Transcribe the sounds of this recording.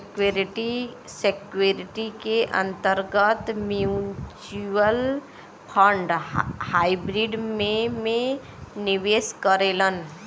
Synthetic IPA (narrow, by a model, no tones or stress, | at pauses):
kɾʈisekueɾiʈikeʔə̰̃nt̪əɾɡət̪mjut͡ʃuəl | pʰə̃ɳɖhaibɾiɖmẽmẽ | nɪʋeːskəɾeːlən